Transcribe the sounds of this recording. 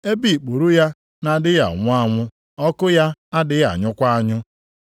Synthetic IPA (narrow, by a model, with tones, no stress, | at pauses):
e˦bi˦˨k͡pu˨ɾu˦ja˦ | na˨dɪ˦ja̰˨ŋʷʊ˦a˦ŋʷʊ˦ | ɔ˦kʊ˦ja˦a˦dɪ˦ɣa̰˨ɲʊ˦kʷa˦a˦ɲʊ˦